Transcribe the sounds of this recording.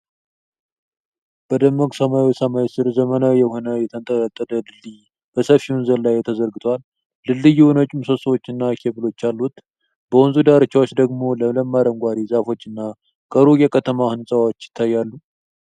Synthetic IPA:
b̥əd̪əmːəkʼsəmawisəmawisɨɾzəmənawjɛho̞nəjɛt̪ʰənt̪ʼəɾət̪ʼːəd̪əlɨlːɨj | b̥əsəfiwnzəllajːt̪ʰəzəɾɡɨt̪ʰalː | ɨlːɨjwnət͡ʃʼumsəswot͡ʃːɨnːakʰebɨlo̞t͡ʃːalːut̪ | b̥əwunzud̪aɾɨt͡ʃːawot͡ʃːd̪əɡmo̞lələmːaɾəŋɡʷaɾizafo̞t͡ʃːɨnːa | kʼəɾukjɛkʰət̪ʰəmahɨnsʼəwot͡ʃːjɪ̥t̪ʰːajːalːu

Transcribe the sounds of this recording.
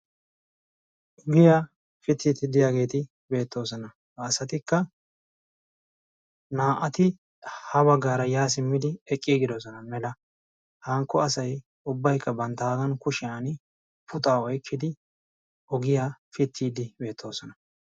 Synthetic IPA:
ʔɔɡɪjaː | fɪt̪ʰːiːt̪ɪd̪ɪjaːɡe̞ːt̪ɪ | be̞ːt̪ːo̞ːsɔnɐː | sɐt̪ɪkːɐ | naːʔɐt̪ɪ | hɐbɐɡːaːɾɐjaːs̬ɪmːɪd̪ɪɛkʼːɪɡɪd̪ɔs̬ɔnɐmɛlɐ | hɐŋkːɔɐsɐj | ʊbːɐjkːɐbɐnt̪ːaːɡɐnkʊʃɪjan | pʊt̪ʼaːɔjkʰːɪd̪ɪ | ʔɔɡɪjaːfɪt̪ʰːiːd̪ɪbe̞ːt̪ʰːo̞ːsɔnɐ

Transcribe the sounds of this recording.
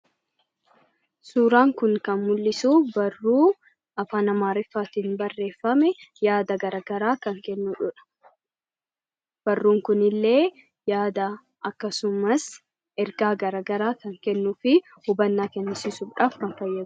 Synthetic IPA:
suːɾaːŋkʊŋkɐnmʊlːɪsuːbɐrːuː | ɐfaːnɐmaːɾɪfːaːt̪inbɐrːe̞ːfːɐmɛjaːd̪ɐɡɐɾɐɡɐɾaːkɐŋkɛnːuᶑʊᶑɐ̥ | b̥ɐrːuːŋkʊnɪlːe̞ː | jaːd̪ɐ | ʔɐkːɐsʊmɐs | ʔɛɾɡaːɡɐɾɐɡɐɾaːkɐŋkɛnːufɪ | hʊbɐnːaːkɛnːɪsɪsʊbᶑaːfkɐnfɐjːɐd̪

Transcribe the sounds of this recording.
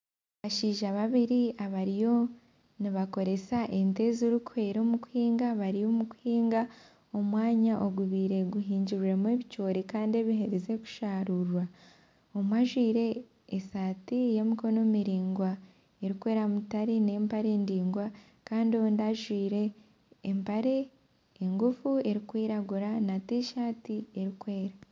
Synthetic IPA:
βaʃiːʒaβaβiɾiaβaɾijo̞ | niβako̞ɾe̞saʔente̞zoɾukuhe̞ːɾo̞muku̥hiːŋɡaβaɾijo̞muku̥hiːŋɡa | o̞mwaːɲaʔoɡuβiːɾe̞ɡuɦiːɲɟiɾuɾemwe̞βit͡ʃoːɾikaːndie̞βiɦe̞ɾeze̞ku̥ʃaːɾuɾwa | omwaʒwiːɾe̞ː | saːtijemiko̞no̞miɾiːŋɡwa | e̞ɾikwe̞ːɾamutaɾine̞ːmpaɾe̞ːndiːŋɡwa | kaːndiondaʒwiːɾe̞ː | mpaɾe̞ː | ŋɡufue̞ɾikwiːɾaɡuɾanateʃaːtie̞ɾikwe̞ːɾa

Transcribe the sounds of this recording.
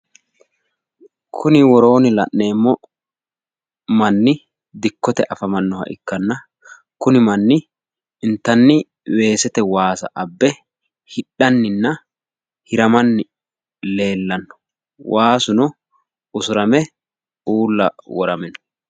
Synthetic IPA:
kʰʊnɪwɔɾo̞ːnɪlɐʔne̞ːmːɔ | mɐnːɪ | d̪ɪkːɔt̪ɛʔɐfɐmɐnːɔhɐ̰ʔɪ̰kːɐnːɐ | kʊnɪmɐnːɪ | ɪnt̪ːɐnːɪ | we̞ːsɛt̪ɛwaːsɐ̰ʔɐbːɛ | hɪɗːɐnːɪnːɐ | hɪɾɐmɐnːɪ | le̞ːlːɐnːɔ̥ | wʔaːsʊnɔ | ʊsʊɾɐmɛ | uːlːɐ̰wɔɾɐmɛnɔ

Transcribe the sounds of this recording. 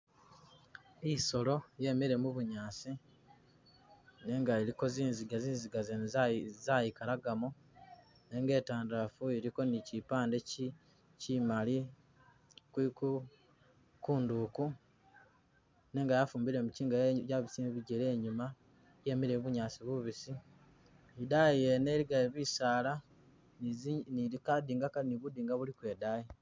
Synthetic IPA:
iso̞lo̞je̞meɾe̞muβuɲaːsi | ne̞ŋɡaeɾiko̞ziːnziɡaziːnziɡazezajikalaɡamu | ne̞ŋɡe̞ːtaːndafueɾiko̞nicipaːnde̞ci | cimali | kwiku | kuːnduku | ne̞ːŋɡajafuːmbiɾe̞muciːŋɡajaβisimβiɟele̞ːɲuma | je̞miɾeβuɲaːsiβuβisi | idajieneɾiɡaeβisaːla | iikadiːŋɡakaniβud̪iːŋɡaβulikwe̞ːdaji

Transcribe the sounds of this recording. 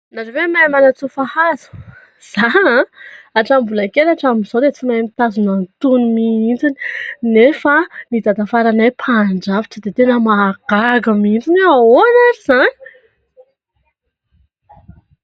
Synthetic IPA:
naʈ͡ʂavemajmanat͡sufahazu̥ | z̥aãaʈ͡ʂambulakeɾaʈ͡ʂamiz̥od̪et͡simajmit̪azunant̪unumiind͡zini̥nefanid̪ad̪afaɾanajpʰaɳɖ͡ʐaviʈ͡ʂəd̪et̪enəmaɡ̥aɡəmiind͡zinaonaɾiz̥ani̥

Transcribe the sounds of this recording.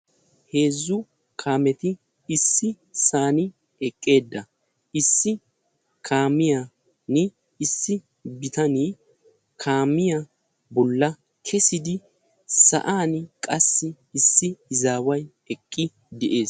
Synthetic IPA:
he̞ːzːʊ | kʰaːmɛt̪ɪ | ɪsːɪ | saːnɪ | ɛkʼːe̞ːd̪ːɐ | ɪsːɪ | kʰaːmɪja | nɪː | sːɪ | bɪt̪ɐniː | kʰaːmɪja | bɔlːɐ | kʰɛsɪd̪ɪ | sɐ̰ʔaːnkʼɐsːɪ | ɪsːɪɪzaːwɐj | ɛkʼːɪ | d̪ɛʔe̞ːs

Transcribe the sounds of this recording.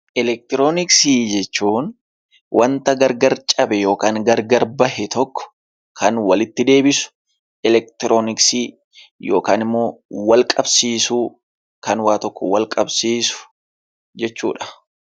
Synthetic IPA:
ʔɛlɛk̚t̪ɪɾoːnɪksiːd͡ʒɛt͡ʃːuːn | wʔɐnt̪ɐɡɐɾɡɐɾt͡ʃʼɐbɛjo̞ːkaːŋɡɐɾɡɐɾbɐhɛt̪ɔkːɔ̥ | kʰɐnwɐlɪt̪ːɪd̪e̞ːbɪsʊ̥ | ɛlɛk̚t̪ɪɾʔo̞ːnɪksiː | jo̞ːkaːnɪmːo̞ːwɐlkʼɐbsiːsu | kɐnwaːt̪ɔkːɔwɐlkʼɐbsiːsʊ̥ | d͡ʒɛt͡ʃːuːᶑɐ̥

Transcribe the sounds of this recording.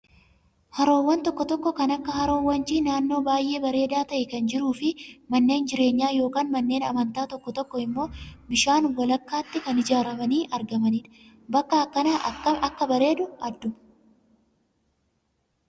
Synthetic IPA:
hɐɾo̞ːwːɐnt̪ɔkːɔt̪ɔkːɔkɐnɐkːɐhɐɾo̞ːwːɐnt͡ʃiːnaːnːo̞ːbaːjʔe̞ːbɐɾe̞ːd̪aːt̪ɐʔɛkɐnd͡ʒɪɾuːfɪmɐnːe̞ːnd͡ʒɪɾe̞ːɲːaːjo̞ːkaːnmɐnːe̞ːnɐ̰mɐnt̪aːt̪ɔkːɔt̪ɔkːɔɪmːo̞ːbɪʃaːnwɐlɐkːaːt̪ːɪkɐnɪd͡ʒaːɾɐmɐniːʔɐɾɡɐmɐniːᶑ̪ɐ̥ | bɐkːɐːkːɐnaʔɐɐɐkːɐbɐɾe̞ːd̪ʊɐd̪ːʊmɐ

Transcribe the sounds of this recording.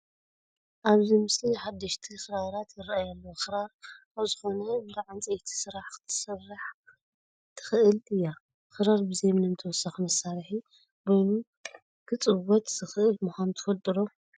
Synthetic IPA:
ʔaβzimɨsiħad̪ːɐʃt̪ʰixɨɾaɾat̪jɪɾaajalːoxɨɾaɾaβzɨxo̞nɐbd̪aʕant͡sʼijt̪ʰi̥sɨɾaħkt̪ʰɨ̥sɐrːaħ | t̪ʰɨ̥xɨʔɨlɨjːa | xɨɾaɾbɨzemnɐnt̪ʰɐwɔsːaximɐsːaɾħi | bojnu | kʰɨt͡sʼɨwɔt̪z̥ɨxɨʔɨlmuxʷant̪ʰɨ̥fɐlt̪ʼɨɾo

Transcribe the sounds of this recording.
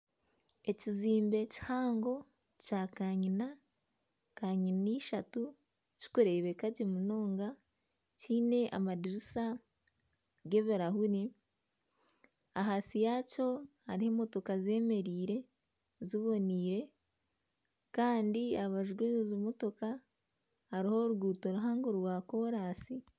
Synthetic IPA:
e̞ciziːmbe̞ci̥haːŋɡo̞ | caːkaɲina | kaɲiniːʃatu | ci̥koɾeβekaɟemuno̞ːŋɡa | ciːne̞ʔa̰madiɾisa | ɡe̞βeɾaɦuni | aɦasijaːco̞haɾiheːmo̞to̞kaze̞ːme̞ɾiːɾe̞ | ziβo̞niːɾe̞ | kaːndiaβaʒɡwezimo̞to̞ka | haɾiho̞ɾuɡuːto̞ɾuɦaːŋɡoɾwaːko̞ːɾaːsi

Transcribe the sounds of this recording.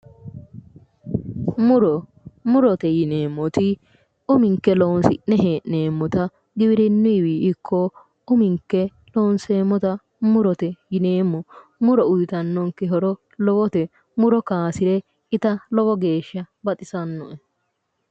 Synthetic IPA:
mʊɾɔ | mʊɾɔt̪ɛjɪneːmːɔt̪ɪ | ʊmɪŋkːɛlownsɪ̰ʔnɛɦeːʔneːmːɔt̪ɐ | ɡɪbɪɾɪnːʊɪwiːɪkʰːɔ | ʊmɪŋkːɛ | loːnse̞ːmːɔt̪ɐ | mʊɾɔt̪ɛjɪne̞ːmːɔ | mʊɾɔʊjt̪ɐnːɔŋkɛɦɔɾɔ | lɔwɔt̪ɛ | mʊɾɔkaːsɪɾɛ | ɪt̪ɐlɔwɔɡe̞ːʃːɐbɐt̪ʼɪsɐnːɔʔɛ

